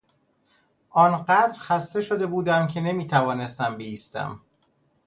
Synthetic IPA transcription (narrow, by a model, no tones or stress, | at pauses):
ʔɒːnɢæd̪ɾxæst̪e̞ʃo̞d̪e̞buːd̪æmcʰe̞ne̞miːt̪ʰævɒːne̞st̪æmbeiːst̪æ̰m